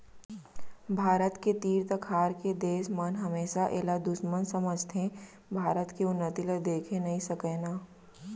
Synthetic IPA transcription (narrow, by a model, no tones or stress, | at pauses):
bʱaːɾət̪ket̪iːɾt̪əkʰaːɾked̪eːʃmənɦɐmeːʃaʔeːlad̪ʊʃmənsɐməd͡ʒt̪ʰẽ | bʱaːɾət̪keʊnːət̪iləd̪eːkʰẽnɐɦĩsɐkɛːnaː